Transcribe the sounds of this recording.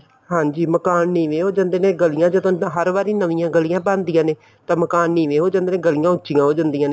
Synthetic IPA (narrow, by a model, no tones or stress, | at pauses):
ɦãːɲd͡ʒiːməkaːnnĩːʋeːɦoːd͡ʒãːnd̪eːnẽːɡəlɪjãːd͡ʒət̪õɦəɾʋaːɾiːnəʋɪjãːɡəlɪjãːbãːnd̪ijãːneː | t̪ãːməkaːnːĩːʋeːɦoːd͡ʒãnd̪eːnẽːɡəlɪjãːʊt͡ʃːt͡ʃːɪjãːɦoːd͡ʒãːnd̪ijãːneː